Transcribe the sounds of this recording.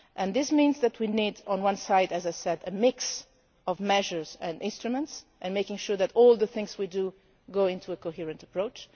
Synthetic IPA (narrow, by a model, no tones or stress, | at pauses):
ʔɛ̃nðɪsmĩnzðætʰwinidɔ̃nwʌ̃nsaɪdɨzajsɛdɨmɪks | ɔvmɛʒə˞zɛ̃ndɪ̃nstɹumə̃ntsʔɨ̃nmeɪkɪ̃ŋʃuɹðætɔlˠðəθɪ̃ŋzwidu | ɡoɪ̃ntʰuəkoɦiɹɨ̃ntəpɹ̥oʊt͡ʃ